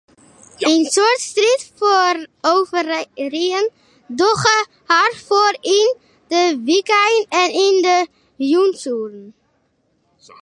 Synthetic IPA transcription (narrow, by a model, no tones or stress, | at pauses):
ensʊɹtstritforowvərriən | dɔχə | harfoːrɪn | dəʋikajənɛnɪndə | junsurən